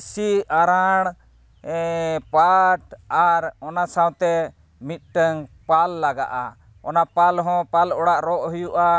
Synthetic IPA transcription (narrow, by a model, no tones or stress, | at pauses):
siaɾaɽ̃ | paʈaɾɔnasawt̪ɛ | mit̪̚ˀʈəŋpalːaɡa̰ʔa̰ | ɔnapalɦɔ̃palɔɽaʔɾɔʔɦujuʔa